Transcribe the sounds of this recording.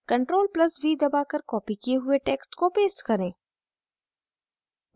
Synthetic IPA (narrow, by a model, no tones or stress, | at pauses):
kɐ̃ɳʈɾoːlplɐsbʱid̪ɐbaːkəɾkɔːpikieɦʊeʈeːksʈkopeːsʈkɐɾẽː